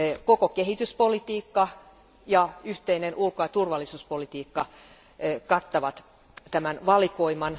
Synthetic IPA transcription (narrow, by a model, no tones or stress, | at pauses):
kokokehit̪yspolit̪iːkːɑ | jɑyht̪einenʔulkojɑt̪urʋɑlːisuːspolit̪iːkːɑ | kɑt̪ːɑʋɑt̪ | t̪æmænʋɑlikoimɑn